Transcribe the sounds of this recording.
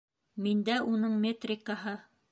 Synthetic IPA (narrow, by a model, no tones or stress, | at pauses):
mind̪æʔunɤɴmʲet̪rʲɪkːaɦɤ